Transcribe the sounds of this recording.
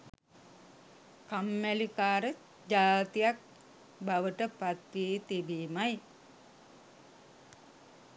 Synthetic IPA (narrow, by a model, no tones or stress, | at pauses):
kamːælikaːɾə | d͡ʒaːt̪ijak̚ | baʋəʈəpat̪ʋiːt̪ibiːmaj